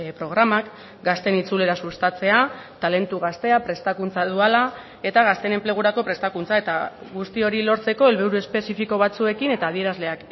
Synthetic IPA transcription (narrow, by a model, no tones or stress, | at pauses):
pɾo̞ɣ̞ɾamak | ɡast̪e̞nit͡sule̞ɾasust̪at͡se̞at̪ale̞nt̪uɣ̞ast̪e̞apɾe̞st̪akunt͡sað̞uala | e̞t̪aɣ̞ast̪e̞ne̞mple̞ɣ̞uɾako̞pɾe̞st̪akunt͡sae̞t̪aɣust̪io̞ɾilo̞ɾt͡se̞ko̞e̞lβeɾue̞spe̞sifiko̞β̞at͡sue̞kine̞t̪aːð̞ie̞ɾazle̞ak